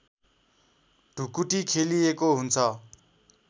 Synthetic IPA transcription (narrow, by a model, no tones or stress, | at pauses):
ɖ̥ʱukuʈikʰeliekoɦunt͡sʰʌ